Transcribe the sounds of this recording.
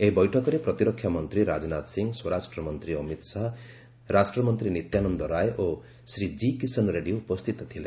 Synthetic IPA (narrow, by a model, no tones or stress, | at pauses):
eɦibɔjʈʰɔkɔɾepɾʌt̪iɾɔkʰːjamɔnt̪ɾiɾad͡znat̪siŋɡswɔɾasʈɾɔmɔnt̪ɾiʌmit̪saɦ | ɾasʈrɔmɔnt̪ɾinit̪janɔnd̪ɔɾajʔo | sɾid͡ʒikisɔnɾeɖioupɔst̪it̪ɔt̪ʰilḛ